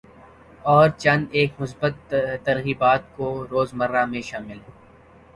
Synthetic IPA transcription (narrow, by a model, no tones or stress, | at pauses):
ɔːɾt͡ʃɐ̃nd̪eːkmʊsbət̪ːɐɾɣiːbaːt̪̚koɾoːzmɐɾːamẽʃaːmɪl